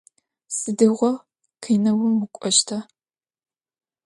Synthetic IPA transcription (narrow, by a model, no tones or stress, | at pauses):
sɨdɨʁʷɔ | qʰiːnɐwʊmwʊkʷʼɔʃtʰɐ